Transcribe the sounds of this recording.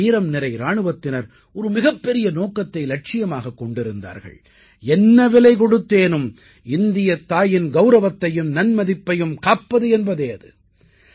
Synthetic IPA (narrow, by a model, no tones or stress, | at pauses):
iːɾɐmnɪɾɐɪɾaːɳɯʋɐt̪ːɪnɐɾ | ɔɾɯmɪɣɐpːɛɾɪjɐnoːkːɐt̪ːɐɪlɐʈ̚t͡ʃɪjɐmaːɣɐkːɔɳɖɪɾɯnd̪a̰ːɾɣɐ̰ɭ | ɛnːɐʋɪlɐɪkɔɽɯt̪ːeːnɯm | ɪnd̪ɪjɐt̪ːaːjɪnɡɐʊɾɐʋɐt̪ːɐjɯmnɐnmɐðɪpːɐjɯmkaːpːɐðɯɛnbɐðeːɐðɯ̰